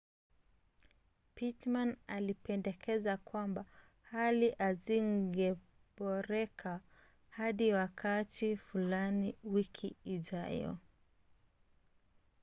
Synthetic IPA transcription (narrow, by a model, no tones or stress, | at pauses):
pitmanalipɛndɛkʰɛzakwamba | haliʔaziŋɡɛ | bɔɾɛkʰa | haɗiwakʰatʰifulaniwikʰiːʄajɔ̰